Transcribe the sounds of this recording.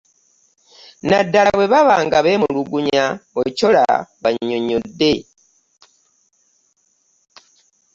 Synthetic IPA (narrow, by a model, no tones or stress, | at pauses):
nadaaβwe̞βaβaːŋɡaβemuluɡuɲaocola̰βaɲoɲode̞